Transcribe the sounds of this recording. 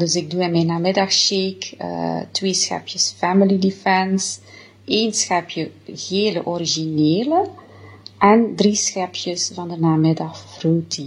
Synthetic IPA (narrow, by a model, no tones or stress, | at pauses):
dɵsɪɡ̚duɪnmɛnːaːmɪdɑxʃekə̰tweːsxɛ̰pjəsfɛmilidifɛns | eːnsxɛpjəɣeːlə̰ʔɔɾiʒineːlə | ʔɛndrisxɛpʰjəsvɑndənaːmɪdɑxfruːti